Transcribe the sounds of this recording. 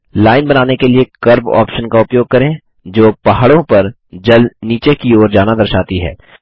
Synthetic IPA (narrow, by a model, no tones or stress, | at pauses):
laːɪnbɐnaːnekeliekɐɾbɔ̰ːpʃənkaʊpjoːɡ̚kɐɾẽ | d͡ʒoːpaɦaɽõpɐɾ | d͡ʒɐlniːt͡ʃekioːɾd͡ʒaːnad̪ɐɾʃaːt̪iɦɛ̰ː